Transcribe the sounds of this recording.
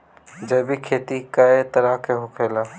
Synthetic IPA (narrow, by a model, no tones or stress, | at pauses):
d͡ʒɐbʱikʰeːt̪ikaet̪ɐɾakʰeɦʊkʰeːlaː